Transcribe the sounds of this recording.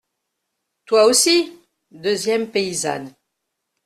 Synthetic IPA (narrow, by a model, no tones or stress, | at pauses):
t̪waosi | d̪øzjɛmpeiza̰n